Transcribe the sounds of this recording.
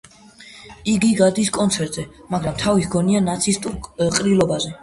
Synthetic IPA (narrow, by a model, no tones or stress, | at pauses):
iɡiɡad̪iskʼɔnt̪sʰɛɾt̪ʼzɛmaɡɾamt̪ʰavitɡɔnianat̪sʰist̪ʼuɾqʼɾilˠɔbazɛ